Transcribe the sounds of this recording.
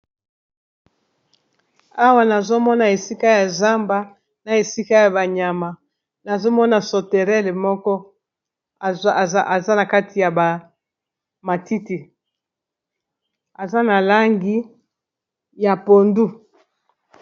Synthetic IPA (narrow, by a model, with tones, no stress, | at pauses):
a˦wa˦na˨zo˦mɔ˦na˨e˨si˦ka˦ja˨za˦mba˦ | na˨e˨si˦ka˦ja˨βa˨ɲa˨ma˨ | na˨zo˦mɔ˦na˨so˨te˨ʁɛ˦le˨mɔ˦kɔ˦˨˦ | ʔa˨za˦na˨ka˦ti˨ja˨ba˨ | ma˨ti˦ti˨ | a˨za˦na˨la˦ŋɡi˦ | ja˨po˨ndu˦